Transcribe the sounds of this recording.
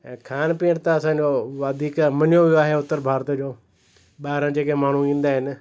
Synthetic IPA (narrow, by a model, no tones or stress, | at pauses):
ɛ̃ːkʰaːnpɪ̃ːɽt̪aːəsãːd͡ʒoːʋaːd̪ʱiːkmənjõːʋɪaːɦeːʊt̪ːəɾbʱaːɾt̪d͡ʒoː | ɓaːɦɾãːd͡ʒeːkemaːɳ̤ũĩːnd̪aːɦɪn